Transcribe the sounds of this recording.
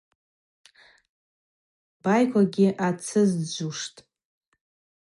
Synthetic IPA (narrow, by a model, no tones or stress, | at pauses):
b̥ajkʷaɡʲɪʔat͡sʰɨzd͡ʒʷuʂtʼ